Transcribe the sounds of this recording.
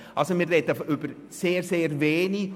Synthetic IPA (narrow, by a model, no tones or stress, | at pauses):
ʔɑlsomɪːrrɛdəfʔʏb̥əɾ | seːrseːɾveːni